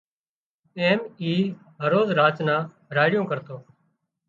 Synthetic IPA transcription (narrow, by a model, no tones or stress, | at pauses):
eːmiː | ɦəɾoːzɾaːt͡ʃnãː | ɾaːɽɪjõːkəɾt̪oː